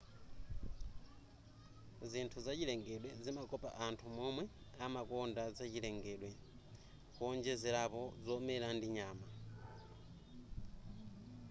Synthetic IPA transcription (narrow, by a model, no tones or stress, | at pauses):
zintʰuzat͡ʃilɛŋɡɛɗwɛzimakɔpa̰ʔantʰumɔmwɛ | amakɔndazat͡ʃilɛŋɡɛɗwɛ | pɔnd͡ʒɛzɛlapɔzɔmɛɾandiɲaːma